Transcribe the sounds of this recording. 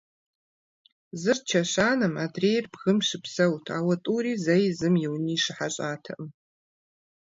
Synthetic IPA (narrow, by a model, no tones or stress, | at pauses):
zɨrt͡ʃʰɐɕaːnɐmaːdreːjrbɣɨmʃɪpsɐwtʰaːwɐtʼuːɾiːzɐjzɨmjɪwniːʂɪħaɕʼaːtʰɐ̰ʔm